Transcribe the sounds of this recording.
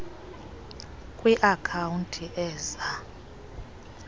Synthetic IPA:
kʼwiʔakʰauntʰʼiʔɛːza

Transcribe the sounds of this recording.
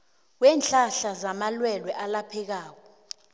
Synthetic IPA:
wɛːnt͡ɬʼaɬazamalwɛlwɛʔalapʰɛk̬aːk̬ɔ

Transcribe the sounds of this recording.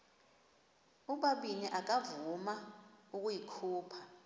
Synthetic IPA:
uɓaɓiniʔak̬ʼavumauk̬ʼujikʰuːpʰḁ

